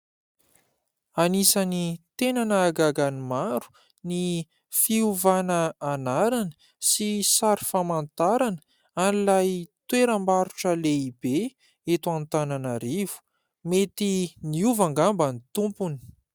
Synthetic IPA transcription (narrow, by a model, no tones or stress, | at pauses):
anisanit̪enanəːɡaɡanimaɾu̥ | ni | fiuvanəːnaɾanə̥ | sisaɾifamant̪aɾanə̥ | anilajt̪weɾəmbaɾuʈ͡ʂəleibe | et̪uant̪ananaɾivu̥ | met̪iniuvaŋɡambənit̪umpuni̥